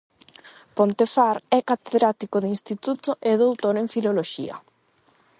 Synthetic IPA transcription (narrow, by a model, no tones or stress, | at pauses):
pont̪efaɾɛkat̪eðɾat̪ikoðinst̪it̪ut̪oʔeðowt̪oɾẽɱfiloloʃḭɐ̰